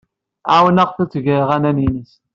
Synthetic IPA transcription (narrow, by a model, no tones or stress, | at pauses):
awənæʁθæt͡sːʝəɾʁænæninis